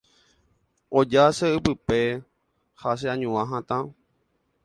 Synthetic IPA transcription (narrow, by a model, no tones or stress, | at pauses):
od͡ʒaseɨpɨpe | has̬eãɲũãɦãt̪ã